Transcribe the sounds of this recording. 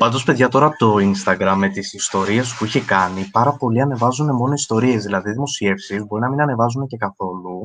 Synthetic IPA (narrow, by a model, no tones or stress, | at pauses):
pɐnd̪o̞spe̞ðʝɐt̪o̞ɾɐpot̪o̞inst̪ɐɡɾɐmːet̪isist̪o̞ɾiɐspuiçekɐnipɐɾɐpo̞liɐne̞vɐzune̞mo̞noist̪o̞ɾie̞zðilɐðiðimo̞sie̞fsizbo̞ɾinɐminɐne̞vɐzunece̞kɐθo̞lu